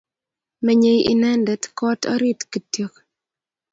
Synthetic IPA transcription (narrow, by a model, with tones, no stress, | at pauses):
mɛ˨ɲe˨jḭ˨nɛ˦ndɛ˨tkɔ˦tɔ̰˦ɾi˦tki˨tjo˨k